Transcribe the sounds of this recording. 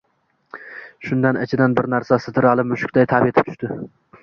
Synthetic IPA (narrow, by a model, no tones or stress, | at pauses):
ʃʊnd̪anɪt͡ʃʰɪd̪anbɪɾnæɾsasɪt̪ʰɪɾɑlˠɪmʊʃɪ̥kʲd̪ajt̪ʰabiet̪ʰɪp̚t̪ʰʊ̥ʃʲt̪ɪ